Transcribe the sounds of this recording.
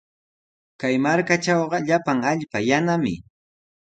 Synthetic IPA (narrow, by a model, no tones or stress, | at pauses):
kajmaɾkat͡ʃɑwɢɑʎapaŋaʎpajanamɪ̰